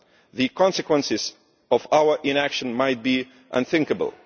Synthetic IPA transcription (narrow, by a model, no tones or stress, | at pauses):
ðɨkʰɑ̃nsɨkwə̃nsɪz | ɔvaʊə˞ʔɪ̃nækʃɨ̃nmaɪt̪̚bi | ʔʌ̰̃nθɪ̃ŋkəbə̰l̩ˠ